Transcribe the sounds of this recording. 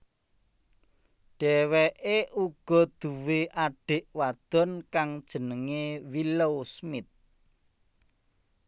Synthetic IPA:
ɖ̥ɛweʔeʔuɡ̥ɔ̤d̪̥ṳweʔaɖ̥e̤ʔwad̪̥ɔ̤nkaŋd̥ʒ̥ə̤nəŋewilowsmɪt̪̚

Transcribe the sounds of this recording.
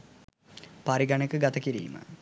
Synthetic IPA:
paɾiɡɐɳekəɡɐt̪ɐkiɾḭːmə̰

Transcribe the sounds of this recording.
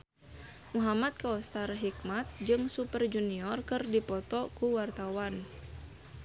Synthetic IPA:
muɦamat̪̚kaɔst̪arɦikmat̪̚d͡ʒɨŋsupərd͡ʒuniɔrkɨrdipɔt̪ɔkuwart̪awan

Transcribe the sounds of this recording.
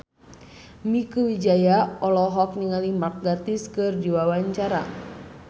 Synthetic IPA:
mikəwid͡ʒajaɔlɔɦɔk̚niŋalimak̚ɡat̪iskɨrdiwawaɲt͡ʃaɾa̰

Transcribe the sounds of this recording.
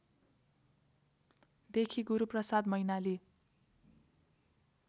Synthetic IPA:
d̪ekʰiɡuɾuprʌsad̪mʌjnali

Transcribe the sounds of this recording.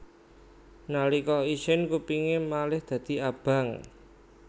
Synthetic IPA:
nalikɔiʃɪnkupiŋemalɪhd̪̥ä̤d̪̥i̤ab̥a̤ŋ

